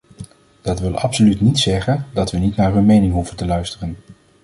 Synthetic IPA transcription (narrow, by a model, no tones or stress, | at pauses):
d̥ɑtʋɪlˠɑ̰psolytnitsɛχəndɑtʋənitnaːɹɦɵnmejnɪŋɦuvəntəlœɥstərən